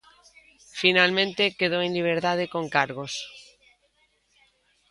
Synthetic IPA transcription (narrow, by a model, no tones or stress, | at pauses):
finalmẽnt̪e̞keð̞oenliβ̞eɾt̪að̞eko̞ŋkaɾɣos